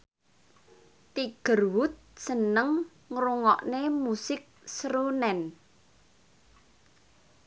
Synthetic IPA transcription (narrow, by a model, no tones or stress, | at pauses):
t̪iɡ̥ə̤rwʊt̪̚sənəŋː | ɾuŋɔ̰ʔnemusɪk̚sɾunɛn